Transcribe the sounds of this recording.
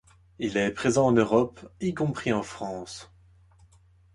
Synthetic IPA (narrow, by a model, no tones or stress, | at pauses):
ilɛpχezɑ̃ɑ̃nøʁɔpikɔ̃pχiɑ̃fχɑ̃ːs